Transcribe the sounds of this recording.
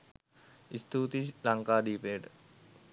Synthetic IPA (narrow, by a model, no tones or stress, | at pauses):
ist̪uːt̪ilaŋkaːd̪iːpeːʈ